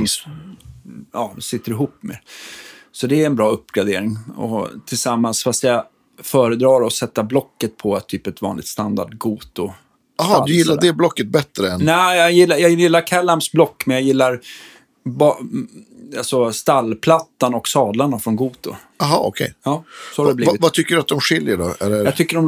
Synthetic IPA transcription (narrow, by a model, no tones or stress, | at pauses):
ɑːsɪt̪ːəɾɪɦuːpːmḛ | sɔd̪ɛɛnbɾɑːɵpːɡɾad̪eːɾɪŋɔ̰t̪ʰɪlsamːansfast̪ja | fœːɾəd̪ɾɑːɾɔsɛt̪ːablɔkːət̪̚pʰɔt̪ʰːyːpɛt̪vɑ̰nlɪ̰t̪st̪and̪a̰ɖɡuːt̪ʊ | aɦɑd̪ɵjɪlːad̪ɛblɔkːət̪̚bɛt̪ɾəɛnnɛjɑjɪlːajɑːɡjɪlːaɾkʰalːamsblɔkːmɛnjajɪlːaɾ | bɑ | alsɔst̪alːpʰlat̪ːanɔksɑːd̪laɳafɾɔnɡuːt̪ʊ̰ | aɦɑ̰ːɔ̰kʰɛ̰jɑːsɔhaɖɛbliːɪvat̪ʰʏkːəɖɵat̪̚d̪ɔmɧɪljəɖɔɛ̰lɛjɑt̪ʰʏkːəɾɔm